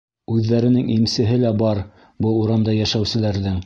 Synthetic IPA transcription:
ʉðːæɾɘ̆nɘŋʔimsɘ̆ɦɘlæbɑɾ | bɤuɾɑmd̪ɑjæʃæwsɘ̆læɾðɘŋ

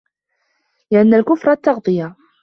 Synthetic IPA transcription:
jaʕnːælkʊfɾˤɑt̪ːɑʁd̪ˤəja

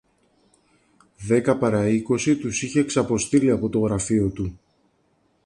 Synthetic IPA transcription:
ðe̞kɐpɐɾɐiko̞sit̪usiçe̞ːksɐpo̞st̪iɾiɐpo̞t̪o̞ɣɾɐfio̞t̪u

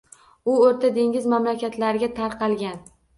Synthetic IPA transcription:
ʊoɾt̪ʰad̪e̞ŋʲɪzmamlakʲat̪ʰlaɾɪɡʲat̪ʰaɾqʰɑlˠɡʲan

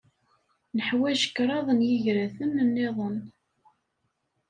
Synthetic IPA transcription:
nəħwæʃə̥kːɾˤɑðˤənjiʝɾæθənːənːeðˤən

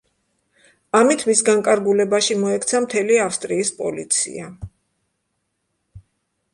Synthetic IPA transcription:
amit̪ʰmisɡaŋkʼaɾɡulɛbaʃimɔɛkʰt̪sʰamt̪ʰɛliafst̪ʼɾiːspʼɔlit̪sʰḭa

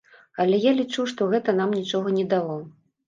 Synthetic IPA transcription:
ɐlʲɛjalʲit͡ʂuʂt̪ɔɣɛt̪ɐnamnʲit͡ʂɔɣɐnʲɛd̪alˠɔ

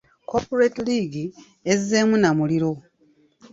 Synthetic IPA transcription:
kopoɾetiliːɡi | ezːe̞ːmunamuliɾo̞

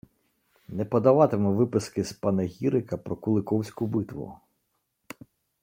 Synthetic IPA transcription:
nɛpɔd̪ɐʋɑt̪emɛʋɪpɪskɪspɑnɐɦʲiɾɪkɐpɾɔkʊlˠɪkɔwsʲkʊbɪt̪ʋʊ̰

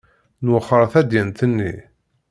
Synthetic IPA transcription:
nwəχəɾˤθæd̪jənt̪ənːi

